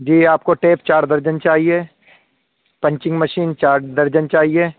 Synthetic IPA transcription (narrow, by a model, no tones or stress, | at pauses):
d͡ʒiːaːp̚koʈeːpt͡ʃaːɽd̪ɐɾd͡ʒənt͡ʃaːɦie | pɐ̃ɲt͡ʃɪ̃ŋɡmɐʃiːnt͡ʃaːɽd̪ɐɾd͡ʒənt͡ʃaːɦieː